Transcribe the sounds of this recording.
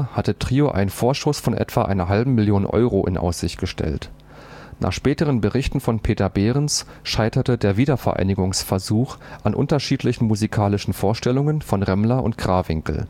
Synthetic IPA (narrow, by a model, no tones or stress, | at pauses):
hatətʁ̥iːoʔa̰ɪnnfoːɐʃtoːsfɔnʔɛ̰tv̥aʔa̰ɪnɐɦalbm̩mɪljoːnənʔɔ̰ʏʁoʔɪ̰nʔa̰ʊsz̥ɪçt̚ɡ̥əʃtʰɛ̰lt | nʔa̰ːχʃpɛːtəʁ̞ənbəʁɪçtn̩fɔnpʰeːtɐbeːʁəns | ʃaɪtɐtədeːɐviːdɐfɛɐʔa̰ɪnɪɡʊŋsfɛɐzuːxʔanʔʊ̰ntɐʃiːtlɪçn̩muzikʰaːlɪʃn̩foːɐʃtɛlʊŋənfɔnʁɛmlɐʊ̰ntɡ̥ʁaːvɪŋkl̩